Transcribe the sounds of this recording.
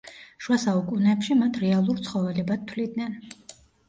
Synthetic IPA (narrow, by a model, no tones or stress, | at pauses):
ʃwasaukʼunɛpʃimat̪ʰɾɛalˠuɾt̪sʰχɔvɛlɛbad̪̚t̪ʰwlid̪nɛn